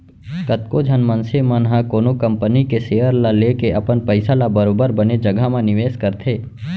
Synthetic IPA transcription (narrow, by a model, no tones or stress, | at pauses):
kət̪̚kod͡ʒʱɐnmə̃nsemənɦãkoːnokə̃mpənikeseːjəɾlaleːkeʔɐpənpəɪsalabəɾoːbəɾbəned͡ʒɐɡʱamãnɪʋeːskəɾt̪ʰeː